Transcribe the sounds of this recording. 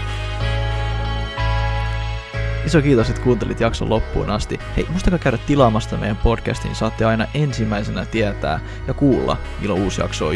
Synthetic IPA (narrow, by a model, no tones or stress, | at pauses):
iso̞kiːt̪o̞se̞t̪kuːnt̪elit̪jɑkso̰lːo̞pːṵːnɑst̪ihe̞̰jmust̪ɑkɑkæyɥɾæt̪ːilɑːmɑst̪ɑmejæmpo̞dkæ̰st̪ḭnsɑːt̪ːeɑjnɑʔe̞nsimːæjsenæt̪iæt̪æ̰ː | jɑkuːlːɑ̰ | mḭlːouːsjɑ̰ksoː